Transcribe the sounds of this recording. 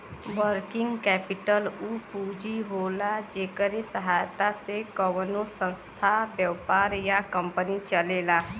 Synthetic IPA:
ʋəɾkɪ̃ŋɡkɛːpɪʈəlupuːd͡ʒiɦoːlad͡ʒeːkəɾesəɦaːjt̪asekəwnosə̃nst̪ʰabjəʋpaːɾjakə̃mpənit͡ʃəleːlaː

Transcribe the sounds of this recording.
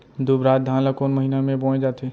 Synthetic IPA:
d̪ubɾat̪̚d̪ʱãləkonməɦinamẽbɔ̃d͡ʒaːt̪e

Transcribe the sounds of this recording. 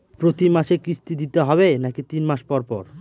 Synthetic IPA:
pɾot̪imaʃekɾist̪id̪it̪eɦɔβenakit̪inmaʃpɔɾpɔ̰ɾ

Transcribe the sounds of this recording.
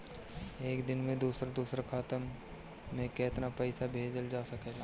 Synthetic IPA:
eːkd̪ɪnmẽd̪uːsɾd̪uːsɾakʰaːt̪əmː | ẽkɛːt̪napəɪsabʱeːd͡ʒəld͡ʒaːsɐkeːɡaː

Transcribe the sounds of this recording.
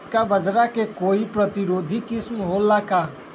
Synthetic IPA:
kabəd͡ʒɾakekoipɾət̪iɾod̪ʱikismɦolːaka

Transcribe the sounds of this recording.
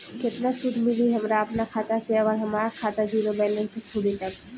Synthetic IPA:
kɪt̪nasʊd̪ʱmɪliɦɐmɾaɐpnakʰaːt̪aseəʋaːlɦɐmaːɾakʰaːt̪ad͡ʒiːɾobɛ̃ːlẽsekʰʊɽit̪ɐk

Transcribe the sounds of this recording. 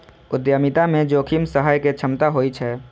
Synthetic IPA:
ʊd̪jəmit̪amẽd͡ʒoːkʰimsəɦaːjket͡ʃʰəmt̪aɦoːit͡ʃʰɛː

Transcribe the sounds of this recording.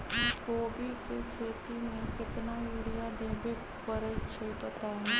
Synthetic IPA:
koːbʱikekʰeːt̪imẽkɪt̪najʊɽijad̪eːbe | pəɾet͡ʃʰeipɐt̪aɦɛ

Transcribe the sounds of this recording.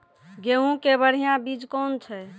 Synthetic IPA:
ɡeɦũkebəɽ̤ijãbid͡ʒkont͡ʃʰɛ

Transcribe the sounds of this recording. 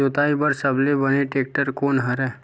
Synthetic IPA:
ʊt̪aːibəɾsəblebəneʈeːk̚ʈəɾkoːnɦɐɾɛː

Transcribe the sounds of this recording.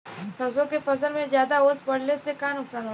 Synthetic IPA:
sɐsõkepɐsəlmẽzjaːd̪aoːspɐɽ̤lesekaːnʊksaːnɦo

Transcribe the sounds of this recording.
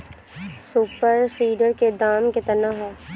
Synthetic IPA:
suːpəɾsiːɖəɾked̪aːmket̪ɐnaɦ

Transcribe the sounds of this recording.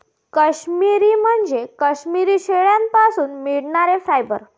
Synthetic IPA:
kəɕmiɾiːm̤əɳd͡zekəɕmiɾiːɕeɭjampasuːnmiɽɳaɾefɾajbə̰ɾ

